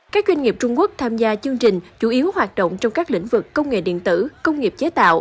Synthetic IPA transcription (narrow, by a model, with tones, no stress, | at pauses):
kaː˦˥k̚zwa˧nŋi˨˩p̚t͡ɕʊ˧ŋ͡mku˦˥ək̚t̪ʰaː˧mzaː˧t͡ɕɨ˧əŋt͡ɕï˨˩ŋ̟t͡ɕu˧˩˦ʔi˨˦əwɦwaː˨˩t̚ɗo̰˧˨wŋ͡mt͡ɕɔ˧wŋ͡mkaː˦˥k̚lḭ̈˧˥ŋ̟vɨ˨˩kːə˧wŋ͡mŋḛ˧˨ɗḭ˧˨ənt̪ɨ˧˩kə˧wŋ͡mŋi˨˩əp̚t͡ɕe˨˦t̪a̰ː˧˨wʔ